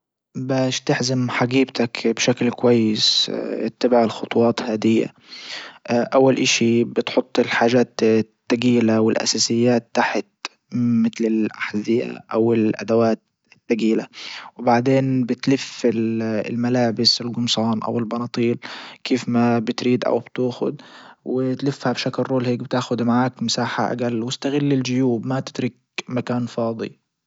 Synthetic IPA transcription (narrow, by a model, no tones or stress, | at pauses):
baːʃt̪ɪħzɪmħaɡiːbt̪akbʃaklkʊwajːɪsʔɪ̰t̪ːabɪʕɪlxʊt̪ˤwɑːt̪haːd̪ɪjːa̰ | ʔawːalʔɪʃibɪt̪ħʊt̪ˤːɪlħaːʒaːt̪t̪ːaɡiːlawɪlʔa̰saːsɪjːaːt̪ːaħɪt̪ | mɪt̪lɪlʔaħzɪja̰ʔawɪlʔa̰d̪awaːt̪̚ | ɪt̪ːaɡiːlawɪbaʕd̪eːnbɪt̪lɪfɪllmalaːbɪsɪlɡʊmsˤɑːnʔa̰wɪlbɑnɑːt̪ˤiːlkeːfmabɪt̪ɾiːd̪ʔa̰wb̥t̪uːxʊ̰d̪wɪt̪lɪfːhabʃaklrˤoːlheːk̚bɪt̪aːxʊd̪maʕaːkmɪsaːħa̰ʔa̰ɡalːwɪst̪aɣɪlːɪld͡ʒʊjuːbmat̪ɪ̥d̪ɾɪk̚ | makaːnfɑːd̪ˤḭ